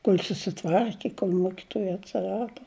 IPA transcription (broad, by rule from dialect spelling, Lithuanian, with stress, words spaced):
koːlʲ sʊsʲɪˈtʋɐrʲkʲɪ koːlʲ ˈmoːkʲɪtuɔjɛ ɐtʲsʲɪˈrɑːdoː